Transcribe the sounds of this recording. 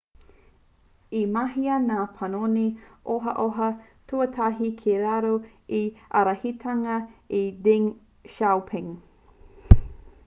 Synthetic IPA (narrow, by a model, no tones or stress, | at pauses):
imɐɦiɐnaːpʰɐnoniʔoɦɐʔoɦɐ | tʰuɐtʰaɦikʰeɾaɾu | iʔɐ̰ɾɐhitʰɐŋɐidiŋ | ʃawpʰɪŋ